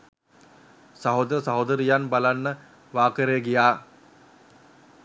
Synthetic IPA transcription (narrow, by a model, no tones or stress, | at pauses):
sɐɦod̪əɾəsaɦod̪əɾijanbalanːə | ʋaːkəɾejəɡijaː